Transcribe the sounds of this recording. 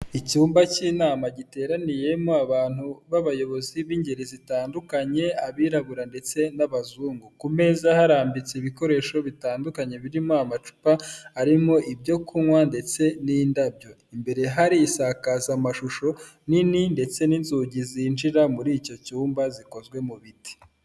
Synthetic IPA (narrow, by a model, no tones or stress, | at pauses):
icuːmbaciːnaːmaɟite̞ːɾanije̞moaβaːn̥huβaβajo̞βo̞ziβiːɲɟe̞ɾizitaːndukaɲe̞aβiːɾaβuɾande̞t͡se̞naβazuːŋɡukume̞zahaɾaːmbit͡seiβiko̞ɾe̞ːʃo̞βitaːndukaɲe̞βiɾimoamat͡ʃu̥paaɾimo̞ʔibɟo̞kuŋwande̞t͡se̞niːndabjo̞ | imbe̞ɾe̞ɦaɾiːsaːkazamaʃuʃo̞ | nininde̞t͡se̞ninzuɟizinʒiɾamuɾiːco̞cuːmbaziko̞zɡwe̞muβiti̥